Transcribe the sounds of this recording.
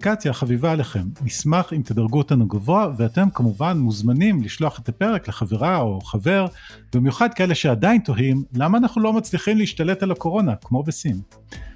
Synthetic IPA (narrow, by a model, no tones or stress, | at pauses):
kat͡sjaχavivaːleχe̞mnismaχimt̪edaʁɡuot̪anuɡavo̞aveate̞mkamuvanmuzmanimliʃlo̞aχet̪ape̞ʁe̞kleχaveʁao̞χave̞ʁ | b̥imjuχad̪̚kaele̞ʃe̞adainto̞ɦimlamaːnaχnulo̞mat͡sliχimleiʃtale̞talako̞ʁo̞nakmo̞besin